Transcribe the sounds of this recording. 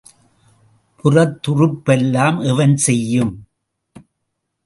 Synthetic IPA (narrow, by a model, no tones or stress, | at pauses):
pʰʊrɐt̪ːʊrɯpːɛlːaːmɛʋɐnsɛjːɯm